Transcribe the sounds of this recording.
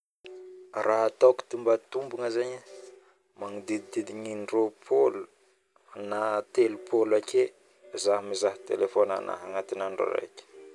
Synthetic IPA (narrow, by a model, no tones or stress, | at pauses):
raɦat̪awki̥t̪imbat̪umbuŋəzaɲə | maŋid̪id̪id̪id̪iɲinropʰolu | nat̪elupʰolakʲʰe | zaɦimizaɦi̥t̪elefona̰na̰ɦaŋat̪inaɳɖ͡ʐo̰ɾa̰jkʲi̥